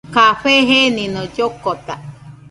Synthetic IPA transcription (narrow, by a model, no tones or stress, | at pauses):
kaɸeɦenĩnõd͡ʒokot̪a